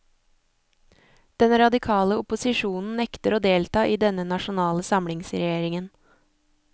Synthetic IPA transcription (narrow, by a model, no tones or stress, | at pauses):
d̪̥ɛnɾɑd̪ɪkʰɑːləʊpʊsɪʃuːnn̩nɛkt̪əɾoːd̪eːlt̪ɑːʔiːd̪ɛnːənɑʃʊnɑːləsɑmlɪŋsɾɛ̰jeːɾɪŋən